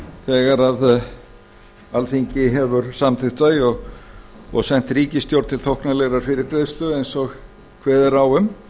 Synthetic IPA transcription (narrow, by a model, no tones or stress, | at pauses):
θɛːɣaɾað | alθiɲcɪɦɛvʏɾsamθʰɪht̪aɪɔɣ | ɔ̰ɣsɛn̥t̪ɾiːcɪst̪jowɾt̪t̪ʰɪlt̪ʰowhknalɛɣɾaɾ̥fɪɾɪɾkɾejðst̪lœðejnsɔɣ | kʰvɛːðɛɾawʏm